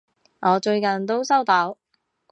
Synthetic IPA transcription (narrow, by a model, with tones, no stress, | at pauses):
ʔɔː˨˧t͡ʃɵ˧ɥkɐ˨˩nt̪̬o˥wsɐ˥wt̪ɔ˨˥w